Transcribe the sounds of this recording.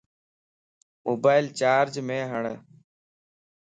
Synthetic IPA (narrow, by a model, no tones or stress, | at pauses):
moːbaːɪlt͡ʃaːɾd͡ʒmẽːɦəɳ